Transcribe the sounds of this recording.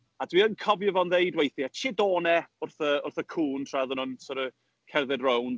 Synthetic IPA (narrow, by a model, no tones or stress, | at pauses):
adwiənkʰɔvjəvɔnðejdwejθjat͡ʃʰɪdoːnɛʊrθəʊrθəkʰuːntʰraðʊnɔnsɔɾə | kʰɛrðɛdrown